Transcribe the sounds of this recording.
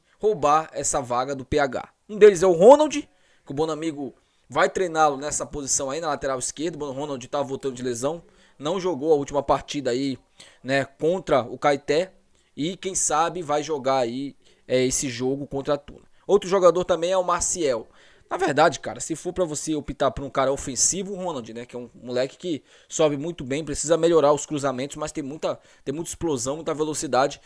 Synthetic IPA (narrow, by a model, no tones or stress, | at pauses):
howbaɾɛsɐvaɡɐd̪ʊpeaɡa̰ | ũd̪elɪzɛʊɦõnawd͡ʒɪ | kɪʊbõnʊamiɡʊ | vajt̪ɾejnalʊnɛsɐpozisɐ̃w̃ainɐlat̪eɾawiskeɾd̪ʊbõnʊɦõnawd͡ʒɪt̪avɐvowt̪ɐ̃nd̪ʊd͡ʒɪlezɐ̃w̃ | nɐ̃w̃ʒoɡowɐut͡ʃimɐpaɾt͡ʃid̪ɐai | nɛkõnt̪ɾɐʊkajt̪ɛ | ɪkẽj̃sabɪvajʒoɡaɾai | ɛesɪʒoɡʊkõnt̪ɾat̪ṵnɐ | owt̪ɾʊʒoɡad̪oɾt̪ɐ̃mbẽj̃ɛʊmaɾsiɛw | nɐveɾd̪ad͡ʒɪka̰ɾɐsɪfoɾpɾɐvoseopit̪aɾpɾũkaɾɐofẽsivʊːhõnɐ̃d͡ʒɪnɛkɪɛũmulɛkɪ̥kɪ | sɔbɪmũj̃t̪ʊbẽj̃pɾesizɐmeʎoɾaɾʊskɾuzamẽnt̪ʊszmɐst̪ẽj̃mũj̃t̪ɐ | t̪ẽj̃mũj̃t̪ɪ̥splozɐ̃w̃mũj̃t̪ɐvelosid̪ad͡ʒɪ